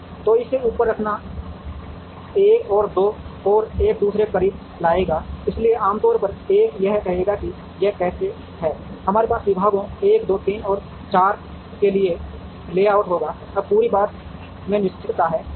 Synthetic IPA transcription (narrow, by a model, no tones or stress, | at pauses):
t̪oːɪseuːpəɾːəkʰna | eːkɔːɾd̪oːɔːɾeːk̚d̪uːsɾekəɾiː | laːeːɡaːɪslieaːmt̪ɔːɾpəɾeːkjɐɦkɐɦeːɡaki | jɛkɛːse | ɦɛːhɐmaːɾepaːsʋɪbʱaːɡõeːkd̪oːt̪iːnɔːɾ | t͡ʃaːɾ | kelie | leːaːʊʈɦoːɡaː | ɐb̚puːɾibaːt̪̚ | mẽnɪʃt͡ʃʰɪʈt̪aɦɛː